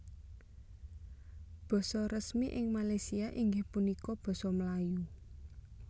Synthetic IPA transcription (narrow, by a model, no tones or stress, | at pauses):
b̥ɔ̤sɔrəsmiʔɪŋmalajsiaʔiŋɡɪhpunikɔb̥ɔ̤sɔmlaju